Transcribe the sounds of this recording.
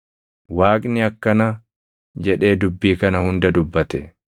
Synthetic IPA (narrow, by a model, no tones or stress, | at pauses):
waːkʼnɪɐkːɐnɐ | d͡ʒɛᶑe̞ːd̪ʊbːiːkɐnɐhʊnd̪ɐd̪ʊbːɐt̪ɛ